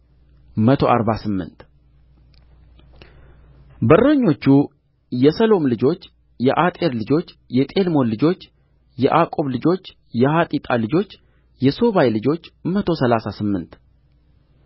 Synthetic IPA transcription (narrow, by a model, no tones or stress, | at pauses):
mət̪ʰo̞ʔaɾbasɨmːɨ̰nt̪ | bəɾəɲːo̞t͡ʃːu | jɛsəlo̞mlɨd͡ʒo̞t͡ʃː | jɛʔat̪ʼe̞ɾlɨd͡ʒo̞t͡ʃː | jɛt̪ʼe̞lmo̞nlɨd͡ʒo̞t͡ʃː | jɛʔakʼo̞βlɨd͡ʒo̞t͡ʃː | jɛhat̪ʼit̪ʼalɨd͡ʒo̞t͡ʃː | jɛso̞βajlɨd͡ʒo̞t͡ʃːmət̪ʰo̞səlasasɨmːɨnt̪